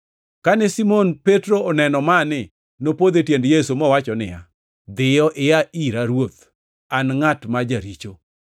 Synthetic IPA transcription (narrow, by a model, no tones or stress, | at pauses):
kanɛsimonpetɾoːnɛnɔmanɪ | nopod̪etjendjesumɔwat͡ʃɔnɪja̰ | d̪ɪjɔʔɪjaiɾaɾwot̪ | anŋatmad͡ʒaɾit͡ʃo